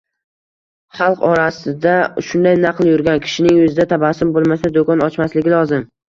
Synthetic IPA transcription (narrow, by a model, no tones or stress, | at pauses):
χɑlˠqɒɾasɪd̪aʃʊnd̪ajnɑqlˠjʊɾɡʲankʲʰɪ̥ʃɪnɪŋɵzɪd̪at̪ʰabasɪmbolˠmasad̪okʰɒnɒt͡ʃmaslɪɡʲɪlˠɒzɪm